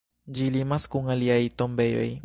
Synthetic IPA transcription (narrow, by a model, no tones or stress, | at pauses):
d͡ʒilimaskuŋaliajt̪ombe̞jo̰j